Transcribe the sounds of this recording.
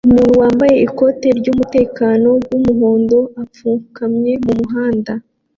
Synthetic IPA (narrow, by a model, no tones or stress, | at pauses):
umuːnuwaːmbaje̞ʔiko̞te̞ɾɟumute̞ːkaːno̞wwumuɦo̞ːndo̞ap͡fuːŋhukamɲe̞mumuɦaːnda